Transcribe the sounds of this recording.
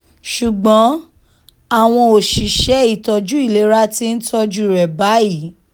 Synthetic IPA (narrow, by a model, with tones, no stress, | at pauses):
ʃu˨ɡ͡bɔ̃˨˦ | a˦˨w̃ɔ̃˧o˨ʃi˨ʃɛ˨˦i˦˨tɔ˨d͡ʒu˦i˦˨le˨˦ɾa˦ti˦n̩˦tɔ˧d͡ʒu˦ɾɛ˨ba˨˦i˨˦